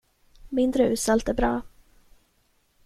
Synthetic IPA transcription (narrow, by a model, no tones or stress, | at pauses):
mɪnd̪ɾəʉ̟ːsalt̪æɾbɾɑː